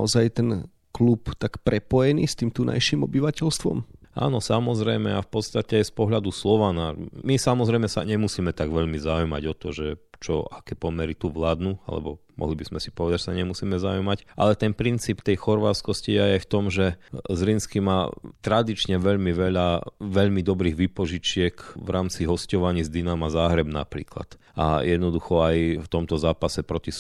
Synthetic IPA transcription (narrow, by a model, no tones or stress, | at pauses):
ɔ̰zajt̪ɛn | klupt̪akpɾɛpɔjɛnḭst̪iːmt̪una̰jʃimɔbiʋacɛʎst̪ʋɔ̰mʔa̰ːnɔsamɔzɾɛjmɛafpɔt̪st̪acɛajspɔɦʎad̪uslɔʋanamisamɔzɾɛjmɛsa̰ɲɛmusiːmɛt̪aɡʋɛʎmizaujma̰ɟɔt̪ɔʒɛt͡ʃɔ̰akɛːpɔmɛɾit̪uʋlaːd̪nua̰lɛ̰bɔmɔ̰ɦlibizmɛsi̥pɔʋɛd̪aɟʒɛsaɲɛmusiːmɛzaujmacʔa̰lɛt̪ɛnpɾint͡siːpt̪ɛjxɔɾʋat͡skɔsciajɛft̪ɔmʒɛzɾinskimaːt̪ɾad̪it͡ʃɲɛʋɛʎmiʋɛʎaʋɛʎmid̪ɔbɾiːɣʋipɔʒit͡ʃɪɛkʋɾaːmt͡siɦɔscɔʋaɲiːzd̪inamazaːɦɾɛbna̰pɾḭːkla̰t̪ | a̰jɛd̪nɔd̪uxɔajft̪ɔmt̪ɔzaːpasɛpɾɔcis